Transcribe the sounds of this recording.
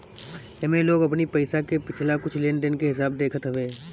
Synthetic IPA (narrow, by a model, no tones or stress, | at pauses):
jɐmẽloːɡɐpnipɐɪsakepɪt͡ʃʰlakʊt͡ʃʰleːnɖənkeɦɪsaːbd̪eːkʰət̪ɦəʋeː